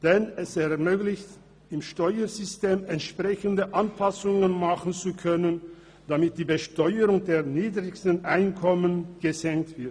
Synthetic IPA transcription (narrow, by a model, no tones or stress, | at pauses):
d̥ɛnɛsɛɐmøːɡlɪçt | ɪmʃtɔʏəzʏsteːmɛntʃpʁ̥ɛçən̩dəʔanpasʊŋənmaχn̩t͡sukʰœnən | d̥amɪt̚d̥iːbəʃtɔʏəʁʊŋdeːɐniːdʁɪçstn̩ʔaɪnkʰɔmənɡ̥əzɛŋk̚tv̥ɪɐt